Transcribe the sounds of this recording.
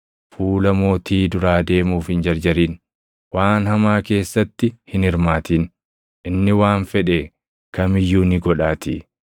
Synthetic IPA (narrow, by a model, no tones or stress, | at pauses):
fuːlɐmo̞ːt̪iːd̪ʊɾaːd̪e̞ːmuːfhɪnd͡ʒɐɾd͡ʒɐɾiːn | waːnhɐmaːke̞ːsːɐt̪ːɪhɪnɪɾmaːt̪iːn | ʔɪnːɪwaːnfɛᶑeː | kɐmɪjːuːnɪɡɔᶑaːt̪ḭː